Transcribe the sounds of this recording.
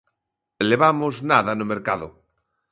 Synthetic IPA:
leβamoznaðanʊmeɾkaðʊ

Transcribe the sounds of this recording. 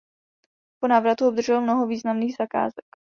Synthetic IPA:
ponaːvɾat̪uʔobd̪r̩ʒɛlmno̞ɦoviːznamniːɣz̥aka̰ːzɛk

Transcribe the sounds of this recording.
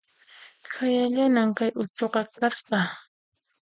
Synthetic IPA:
kʰajaʎanaŋkajʔʊt͡ʃoqɑkaspɑ

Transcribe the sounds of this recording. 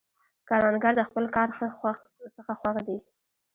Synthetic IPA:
kɑɾwanɡaɾd̪əxpəlkɑɾ | səxaxwaxd̪i

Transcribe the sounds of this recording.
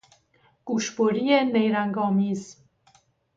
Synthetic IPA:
ɡ̥uʃboɾijenejɾæŋɡɒːmiːz

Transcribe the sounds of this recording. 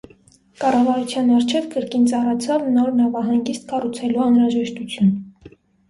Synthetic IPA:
kɑrɑvɑɾut͡sʰjɑnɑɾt͡ʃʰɛvkəɾkint͡sɑrɑt͡sʰɑvnɔɾnɑvɑɦɑŋɡist̪̚kɑrut͡sʰɛluɑnɾɑʒɛʃt̪ut͡sʰjun

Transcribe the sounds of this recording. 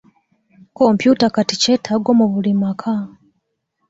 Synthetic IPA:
ko̞mpjutakatice̞ːtʰaɡo̞muβulimakʰa

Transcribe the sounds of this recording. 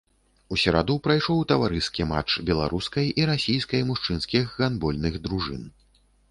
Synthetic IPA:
usʲɛɾad̪uwpɾajʂɔwt̪ɐvaɾɨskʲima̰t͡ʂbʲɛlˠa̰ɾuskɐjʔiɾasʲijskɐjmuʂt͡ʂɨnskʲixːanbɔlʲnɨɣd̪ɾuʐɨ̰n

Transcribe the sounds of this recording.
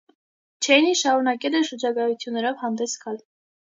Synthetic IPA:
t͡ʃʰɛniʃɑɾunɑkɛlɛnʃəɾd͡ʒɑɡɑjut͡s̪ʰjunːɛɾɔvhɑnd̪ɛsɡɑl

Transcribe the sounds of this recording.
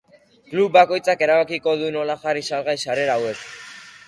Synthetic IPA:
klupbako̞jt͡sake̞ɾaβakiko̞ðuno̞laʝarisalɣajsare̞ɾaːwe̞s

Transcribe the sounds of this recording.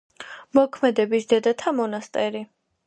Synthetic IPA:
mɔkʰmɛd̪ɛbisd̪ɛd̪at̪ʰamɔnast̪ʼɛɾi

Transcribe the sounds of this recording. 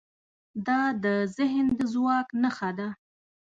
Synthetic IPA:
d̪ɑd̪əzɪɦnd̪əzwɑknəxad̪a

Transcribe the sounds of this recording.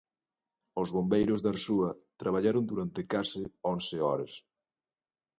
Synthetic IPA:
ʊzβombejɾʊzðaɾsuɐt̪ɾaβ̞aʎaɾʊnd̪uɾant̪ɪkasɪɔnsɪɔɾɐs

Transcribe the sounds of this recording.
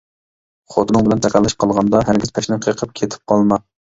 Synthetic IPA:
χot̪nɨŋbɪlɛnt̪ʰæqʰælˠːɪʃ̚qʰɑlˠʁɑnd̪ɑɦæɾɡʲɪz̥pʰæʃnɪqʰəqʰəp̚kʲʰet̪ʰɪ̥p̚qʰɑlˠmɑ

